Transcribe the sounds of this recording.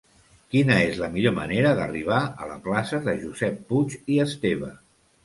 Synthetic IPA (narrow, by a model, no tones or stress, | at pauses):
kinəezləmiʎomə̰neɾəðə̰riβ̞aə̰lə̰klasəðəʒuzɛpːut͡ʃiəst̪eβ̞ə